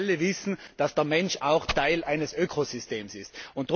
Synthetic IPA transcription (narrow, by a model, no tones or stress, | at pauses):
ləvɪsn̩d̥asd̥ɛɐmɛnʃaʊxtʰaɪlʔaɪnəsʔøːkʰosysteːmsɪstʊntd̥ʁ